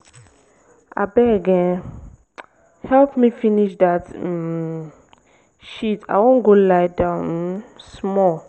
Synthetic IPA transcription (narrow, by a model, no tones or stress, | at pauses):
ʔa̰bɛɡɛ | hɛlpmifiniʃdat | ʃitʰa̰jwɔ̃nɡolajdãnsmɔl